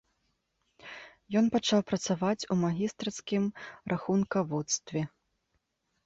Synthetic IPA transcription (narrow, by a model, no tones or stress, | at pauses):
jɔnpat͡ʂawpɾɐt̪savat͡sʲumaɣʲist̪ɾɐt̪skʲimɾʔaxunkɐvɔt̪st̪vʲɛ